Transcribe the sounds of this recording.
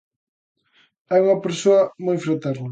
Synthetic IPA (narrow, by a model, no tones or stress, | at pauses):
ɛuŋɐpeɾsoɐmojfɾat̪ɛɾnɐ